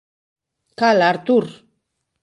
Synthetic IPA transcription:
kalaɾt̪uɾ

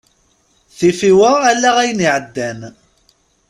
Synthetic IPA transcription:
θifiwəælːæʁæjəniʕəd̪ːæn

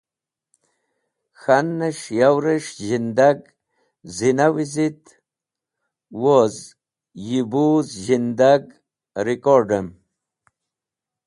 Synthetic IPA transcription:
xanːeʂjawɾeʂʑind̪aɡ | zinawizit̪ | woz | jibuzʑind̪aɡ | ɾikoɾɖem

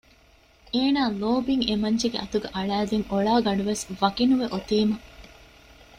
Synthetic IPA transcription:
eːnaːloːbiŋemɐɲd͡ʒeɡeɐt̪uɡɐʔɐɭæːd̪eŋoɭaːɡɐɳɖuʋesʋɐkinuʋeʔot̪iːmɐ

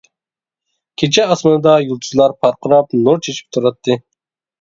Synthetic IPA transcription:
kʲʰet͡ʃʰɛɑsmɨnɨd̪ɑjulˠt̪ʰuzlˠɑɾpʰɑɾqʰʊɾɑpnoɾt͡ʃʰet͡ʃʰi̥p̚t̪ʰuɾɑt̪ʰːɨ

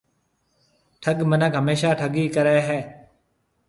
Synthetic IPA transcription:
ʈʰəɠmənəkɦəmeːʃaːʈʰəɠiːkəɾeːɦɛː

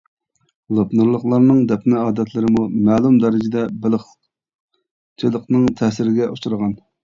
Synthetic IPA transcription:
lˠopnɨɾlˠəχlˠɑɾnɨŋd̪ɛpnɪɑːd̪ɛt̪ʰlɪɾɪmumɛːlˠumd̪ɛɾɪd͡ʒɪd̪ɛbɪlˠəχ | t͡ʃʰilˠəqnɨŋt̪ʰɛsɪɾɪɡʲɛʔuʃuɾəʁɑn

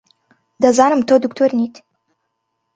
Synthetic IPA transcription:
dazaːnɨmtʰoduktʰornitʰʼ

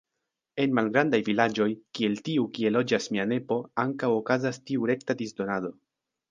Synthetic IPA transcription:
e̞nmalɡɾandajvilad͡ʒo̞jkie̞ltiukie̞lo̞d͡ʒasmiane̞po̞aŋkawo̞kazastiuɾe̞ktadisdo̞nado̞

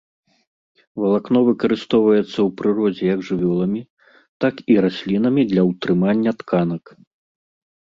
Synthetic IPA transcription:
vɐlˠaknɔvɨkɐɾɨst̪ɔwvɐjɛt̪sːɐwpɾɨɾɔd͡zʲɛjɐɡʐɨvʲɔlˠɐmʲi | t̪akiɾasʲlʲin̪ɐmʲid̪lʲɐwt̪ɾɨmanʲːɐt̪kʰanɐk

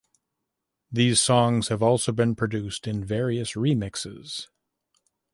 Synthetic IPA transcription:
ðiz̥sɔ̃ŋz̥hɨvɔlˠsoʊbɨ̃npʰɹ̥ɨdʉstɨ̃nvɛɹiɨsɹimɪksɪ̰z̥

